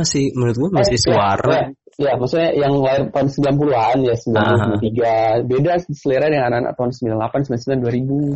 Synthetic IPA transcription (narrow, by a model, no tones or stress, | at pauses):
asɪhmənʊt̪̚ɡuamasɪsuaɾaa | ijamasuɲajaŋlaɪrt̪aunsəmbilanp̬uluɦanjasəmbilanpulusmiat̪iɡabedadisəleɾaəŋanan̰a̰t̪aunsəmbilanlapansəmbilansəmilanduaɾibu